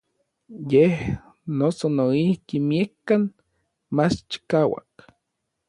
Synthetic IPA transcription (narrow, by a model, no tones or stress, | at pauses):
jeh | nosonoihkimiekːan | mat͡ʃt͡ʃi̥kawa̰k